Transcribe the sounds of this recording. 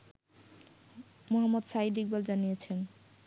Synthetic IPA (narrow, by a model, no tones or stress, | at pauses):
moɦamːod̪ʃaid̪ik̚bald͡ʑanijet͡ɕʰen